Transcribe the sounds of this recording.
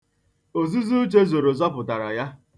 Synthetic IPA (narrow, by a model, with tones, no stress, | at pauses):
o˨zu˦zu˦t͡ʃe˦zo˨ɾo˨zɔ˦pʊ˨ta˨ɾa˨ja˦